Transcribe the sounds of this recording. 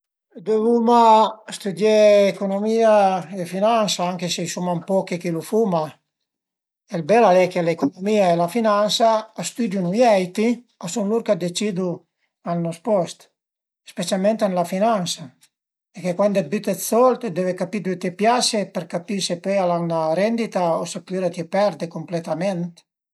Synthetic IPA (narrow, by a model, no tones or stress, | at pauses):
d̪evumast̪ud̪jeːkonomiːaefinansaaŋkesejsumampɔkekilufuma | elbɛlalɛkelekonomiaelafinansaːst̪ud̪junujɛjt̪i | asunluɾkad̪et͡ʃid̪u | alnɔspɔst̪ | spet͡ʃjalmɛnt̪anlafinansa | ekekwand̪ɛbyt̪ɛsɔlt̪d̪evekapid̪uet̪epjasepɛɾkapisepɛalalnaɾɛnd̪it̪aosepyɾat̪jepɛɾd̪ekomplet̪amɛnt̪